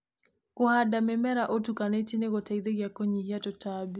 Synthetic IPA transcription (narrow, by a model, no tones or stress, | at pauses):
kʊhadamɛmɛɾaʔotukanetineɡɔtaid̪eɡjakoɲihjatɔtabi